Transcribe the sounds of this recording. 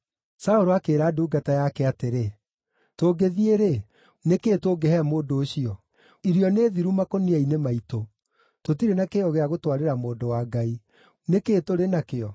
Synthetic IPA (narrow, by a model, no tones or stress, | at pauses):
saoɾoakeːɾaːduːɡatajakɛateɾe | toːɡeðieɾe | nekeːtoɡɛhɛmoːdoːɕiɔ | iɾiɔneːðiɾumakoniainemaito | totiɾenakeɔɣeaɣotwaɾeɾamoːndowaːɡai | nekeːtoɾenakeɔ